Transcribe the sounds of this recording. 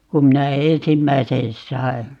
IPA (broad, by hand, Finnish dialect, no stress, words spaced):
kum minæ eːsimːæisen sɑi̯